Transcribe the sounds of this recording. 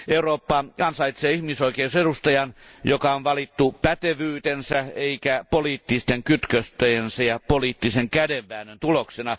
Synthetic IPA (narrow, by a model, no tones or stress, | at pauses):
euroːpːɑɑnsɑit̪seːihmisoikeusedust̪ɑjɑnjokɑonʋɑlit̪ːupæt̪eʋyːt̪ensæeikæpoliːt̪ːist̪eŋkyt̪køst̪øjensæjɑpoliːt̪ːiseŋkædeʋːæːnønt̪uloksenɑ